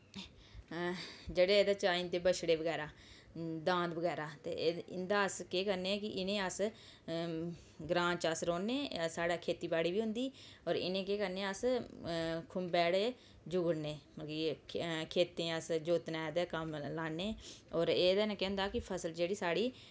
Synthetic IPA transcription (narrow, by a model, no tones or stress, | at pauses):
d͡ʒeːɽeːeːd̪aːt͡ʃaːint̪eːbəʃɽeːʋəɡɛːɾaː | d̪ãːnd̪bəɡɛːɾaːt̪ḛːɪ̰nd̪aːəskeːkəɾnekɪʔɪnẽːəs | ɡɾãːt͡ʃəsɾoːneːsaːɽaːkʰeːt̪iːbaːɽiːʋiːɦʊ̃nd̪iːɔːɾɪ̰nẽːkeːkəɾneːəs | kʰʊmbɛːɽ | d͡ʒʊɡəɽneːməkikʰeːt̪ẽːəsd͡ʒoːt̪nɛːd̪ekəmlaːnːeːɔːɾeːd̪aːnãːkɛ̃ːnd̪aːkɪpʰəsəld͡ʒeːɽiːsaːɽiː